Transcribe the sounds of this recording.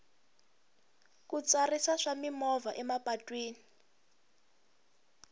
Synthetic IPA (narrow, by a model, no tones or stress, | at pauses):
kut͡sarisaʂamimɔvaʔɛmapatʼwiːni